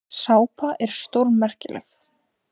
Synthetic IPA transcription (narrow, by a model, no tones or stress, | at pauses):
saːwpaʔɛɾ̥st̪owɾmɛr̥cɪlɛ̰x